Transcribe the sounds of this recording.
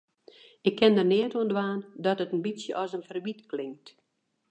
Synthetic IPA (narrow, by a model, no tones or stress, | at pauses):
ɪkʰːɪndərnɪːətuəndʋaːndɔtətənbisjə̰ʔɔsənfərʋitklɪŋkt